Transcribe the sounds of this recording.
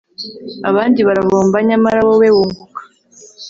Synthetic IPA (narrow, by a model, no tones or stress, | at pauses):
aβaːndiβaɾavoːmbaɲamaɾawowewuːŋɡukḁ